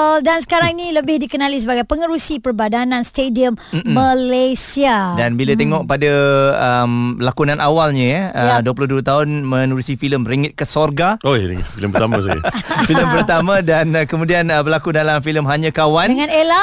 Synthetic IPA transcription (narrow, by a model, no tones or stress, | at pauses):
dansə̥kaɾaŋnĩləbɪhdikənalis̬əbaɡajpəŋəɾusipərbadanãnst̪ediəmːəlasiadanbilat̪̬eŋɔʔ̚padaəmlakunãnʔawalɲəjaəduəpulʊhduət̪aʊnmənuɾisifiləmriŋɪt̪̚kəsɔrɡao̰ɾḭŋḭt̪̚filəmpərt̪amasa̰filəmpərt̪amãdankəmũdianəbərlakudalamfiləmɦaɲãkawanəŋãnela